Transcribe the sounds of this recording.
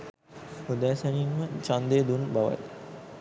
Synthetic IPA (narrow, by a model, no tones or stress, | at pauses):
ud̪æːsɐninmət͡ʃand̪eːd̪unbaʋa̰t